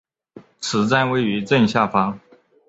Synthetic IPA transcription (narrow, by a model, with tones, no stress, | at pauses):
t͡sʰɹ̩˧˥t͡sa˥nwe˥˩ɪy˧˥ʈ͡ʂə˥˧nɕja˥˩fɑ˥ŋ